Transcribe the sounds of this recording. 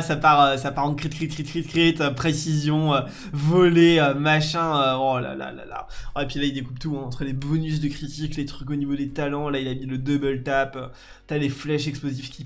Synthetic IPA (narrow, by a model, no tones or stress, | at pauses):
sapaʁøsapaʁɑ̃kχit̪̚kχit̪̚kχit̪̚kχit̪kχit̪øpχesizjɔ̃ø | vɔleømaʃɛ̃øbɔ̃la̰la̰la̰la̰epɥilaild̪ekubt̪uɑ̃t̪χəlebɔnys̬d̪əkχit̪iklet̪χykonivod̪et̪alɑ̃lailamiləd̪əbəlt̪apø | t̪aleflɛʃɛksplozifkʲi